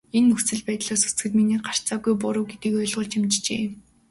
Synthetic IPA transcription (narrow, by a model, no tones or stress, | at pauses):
enːɵsɘ̆ɮpæːt̪ɮaːsu̥t͡sɡɘ̆t̪miniːɢar̥t͡saːɡujp̬ʊɾʊ̆wɡet̪iːkɔjɮʁʊ̆ːɮt͡ɕɪmt͡ɕt͡ɕḛː